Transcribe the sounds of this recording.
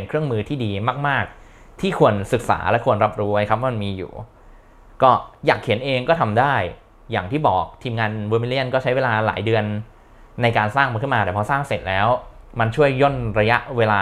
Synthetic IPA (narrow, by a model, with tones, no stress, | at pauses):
nkʰɾɯ˥˩əŋmɯː˧t̪ʰiː˥˩diː˧maː˥˩k̚maː˥˩k̚ | t̪ʰiː˥˩kʰu˧ənsɯ˨˩k̚sa̰ː˩˦lɛ˦˥ʔkʰu˧ənɾa˦˥p̚ɾuː˧wa˧˩jkʰa˦˥p̚waː˥˧ma˧nmiː˧jṵː˨˩ | kɔː˥˩jaː˨˩kʰːi˩˦nʔeː˧ŋkɔː˥˩t̪ʰa˧mdaː˥˩j | jaː˨˩ŋt̪ʰiː˥˩bɔː˨˩k̚t̪ʰiː˧mŋaː˧nwuː˧mi˦li˥˩ənkɔː˥˩t͡ɕʰa˦˥jweː˧laː˧la̰ː˩˦jdɯ˧ənː | a˧jkaː˧nsaː˥˩ŋma˧nkʰɯ˥˩maː˧t̪ɛː˨˩pʰɔ˧˥saː˥˩ŋse˨˩t̪̚lɛː˦˥w | ma˧nt͡ɕʰu˥˩əjːo˥˩nɾa˧ja˦˥ʔweː˧laː˧